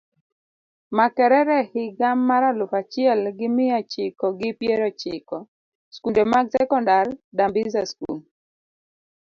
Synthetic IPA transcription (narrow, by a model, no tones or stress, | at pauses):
makɛɾɛɾɛhɪɡamːaɾalʊfat͡ʃɪɛlɡɪmɪat͡ʃɪkɔɡɪpjeɾɔt͡ʃɪkɔ | skundemaɡsɛkɔndardambɪzaskṵl